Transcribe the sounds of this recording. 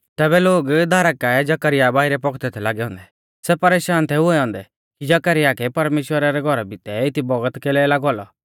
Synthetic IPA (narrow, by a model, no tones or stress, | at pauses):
t̪ɛːbɛloːɡd̪ʱaːɾakːaɛd͡ʒakəɾɪjabaːɪɾɛpɔkʰt̪ɛt̪ʰɛlaːɡɛɔ̃ːnd̪ɛ | sɛpɐɾeːʃaːnt̪ʰɛuɛɔ̃ːnd̪ɛ | kid͡ʒakəɾɪjakɛpɐɾmeːʃwəɾaɾɛɡʱɔɾabit̪ɛɪt̪ʰibɔɡət̪keːlɛlaːɡɔaːlɔ